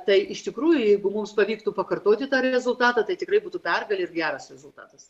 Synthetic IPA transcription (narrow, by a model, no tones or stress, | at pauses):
t̪ɐɪʔɪʃt̪ʲɪkɾuːjʊjɛɪɡʊmʊmspɐʋʲiːkt̪upɐkɐrt̪oːt̪ʲɪt̪ɑːɾʲɛzʊlˠt̪ɑːt̪ɑt̪ɐɪt̪ʲɪkɾɐɪbuːt̪uːpʲɛrɡɐlʲɪɪrɡʲæːɾɐsɾʲɛzʊlˠt̪ɑ̰ːt̪ɐs